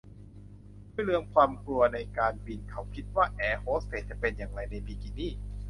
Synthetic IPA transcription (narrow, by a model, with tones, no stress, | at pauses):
duː˥˩˨jlɯ˧əŋkʰwaː˧mklu˧ɐna˧jkaː˧nbi˧nkʰa˦˥˩wkʰi˦˥t̪̚waː˥˩ʔɛː˨˧˩hoː˦˥e˨˦˩t̪̚t͡ɕa˧˩pe˧njaː˨˩ŋɾa˧jna˧jbiː˧kiː˨˩niː˥˩